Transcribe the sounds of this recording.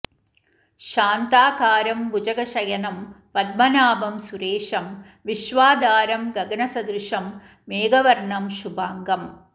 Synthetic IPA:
ʃaːnt̪aːkaːɾɐmbud͡ʒɐɡɐʃɐjɐnɐm | pɐd̪̚mɐnaːbɐmsuɾeːʂɐm | ʋiʃʋaːd̪ʱaːɾɐmɡɐɡɐnɐsɐd̪ɾuʂɐmː | eːɡɐʋɐɾɳɐmʃubaːŋɡɐm

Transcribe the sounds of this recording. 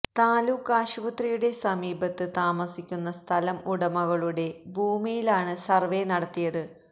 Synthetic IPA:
t̪aːlukːaːɕuʋɐt̪rijuɽe̞sɐmiːbɐt̪ːɨt̪aːmɐsikʲːunːɐst̪ʰɐlɐmuɽɐmɐɣɐɭuɽe̞bʱuːmijilaːɳɨsɐrʋe̞nɐɽɐt̪ːijɐðɨ

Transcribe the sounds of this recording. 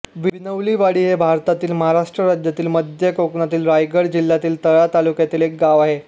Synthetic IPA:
ʋinəʋliːʋaɽiːɦebʱaɾt̪at̪iːlməɦaɾaʂʈɾəɾad͡ʑjat̪iːlməd̪ʱjəkoknat̪iːlɾajɡəɽd͡ʑilːat̪iːlt̪əɭat̪alukjat̪iːlek̚ɡaʋaɦe

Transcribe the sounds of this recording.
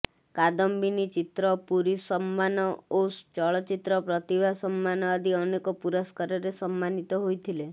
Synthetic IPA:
kad̪ɔmbinit͡ʃit̪ɾɔpuɾisɔmːanɔost͡ʃɔɭɔt͡ʃit̪ɾɔpɾɔt̪ibʱasɔmːanɔad̪iɔnekɔpuɾɔskɔɾɔɾesɔmːanit̪ɔɦojt̪ʰile

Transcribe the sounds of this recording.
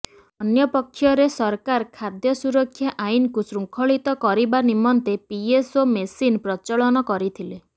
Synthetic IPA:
ɔnjɔpɔkʰːjɔɾesɔɾkaɾkʰad̪jɔsuɾɔkʰːjɔʔainɔkusɾuŋkʰɔɭit̪ɔkɔɾibanimɔnt̪epiesomesinpɾɔt͡ʃɔɭɔnɔkɔɾit̪ʰile

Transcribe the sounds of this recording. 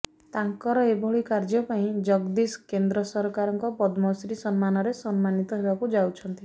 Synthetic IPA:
t̪aŋkɔɾɔebʱɔɭikaɾd͡ʒɔpaĩd͡ʒɔɡd̪isɔ̥kend̪ɾɔsɔɾkaɾɔŋkɔpɔd̪mɔsɾisɔnmanɔɾesɔnmanit̪ɔɦebakud͡ʒawt͡ʃʰɔnt̪i

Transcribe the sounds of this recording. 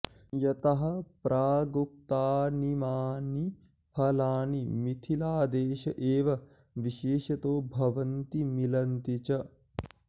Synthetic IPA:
jɐt̪ɐɦɐpɾʔaːɡup̚t̪aːnimaːni | pʰɐlaːnimit̪ʰilaːd̪eːʃɐʔeːʋɐ | ʋiʃeːʃɐt̪oːbʱɐʋɐnt̪imilɐnt̪it͡ʃɐ

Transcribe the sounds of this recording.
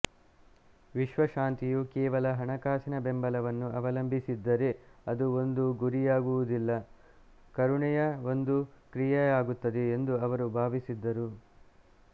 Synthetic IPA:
ʋiʃʋɐʃaːnt̪ijukɛːʋɐlɐɦɐɳɐkaːsinɐbe̞mbɐlɐʋɐnːuɐʋɐlɐmbʱisid̪ːɐɾe̞ɐd̪uo̞nd̪uɡuɾijaːɡuʋud̪ilːɐ | kɐɾuɳɛjɐo̞nd̪ukɾijɐjaːɡut̪ːɐd̪eːnd̪uɐʋɐɾubʱaːʋisid̪ːɐɾu

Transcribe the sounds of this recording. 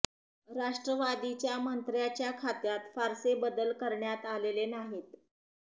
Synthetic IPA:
ɾaʂʈɾəʋad̪it͡ɕjamənt̪ɾjat͡ɕjakʰat̪jat̪faɾsebəd̪əlkəɾɳjat̪alelenaɦiːt̪

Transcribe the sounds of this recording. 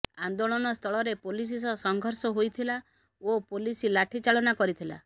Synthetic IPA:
and̪oɭɔnɔst̪ʰɔɭɔɾepolis̬is̬ɔsɔŋɡʱɔɾsɔɦojt̪ʰila | opolisilaʈʰit͡ʃaɭɔnakɔɾit̪ʰila̰

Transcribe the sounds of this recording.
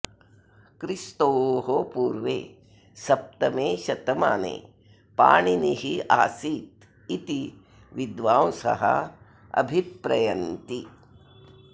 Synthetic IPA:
kɾist̪oːɦopuːɾʋḛː | sɐp̚t̪ɐmeːʃɐt̪ɐmaːnḛː | pa̰ːɳiniɦiaːsiːt̪̚ | it̪i | ʋid̪ʋaːwsɐ̰ɦɐ̰ | ɐ̰bʱipɾɐjɐnt̪i

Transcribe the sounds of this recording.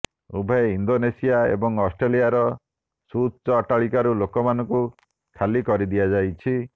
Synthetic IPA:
ubʱaeind̪onesijaḛbɔŋɔsʈɾelijaɾɔ | sut͡ʃɔːʈaɭikaɾulokɔmanɔŋku | kʰalikɔɾid̪ijad͡ʒajt͡ʃʰi

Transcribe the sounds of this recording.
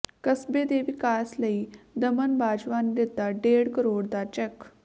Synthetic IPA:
kəsbed̪eʋikasləid̪əmənbad͡ʑʋand̪et̪aɖeɽkəɾoɽd̪at͡ɕɛk

